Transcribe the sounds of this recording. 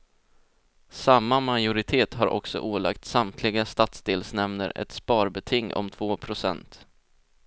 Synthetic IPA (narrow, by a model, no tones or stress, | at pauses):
samːamajʊɾɪt̪ʰeːt̪ɦaɾʔɔ̰ksɔ̰ʔuːla̰k̚t̪samt̪ʰlɪɡast̪at̪sd̪eːlsnɛmnə̰ɾɛ̰t̪spɑːɾbɛt̪ʰɪŋːʔɔ̰mt̪ʰvoːpʰɾʊsɛ̰nt̪